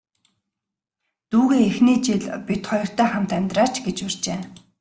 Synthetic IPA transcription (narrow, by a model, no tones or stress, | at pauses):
t̪uːɣeːexniːt͡ɕiɮpit̪χɔjɞ̆r̥t̪ʰæːχam̥t̪æmʲt̪raːt͡ɕɡet͡ɕwʊr̥t͡ɕeː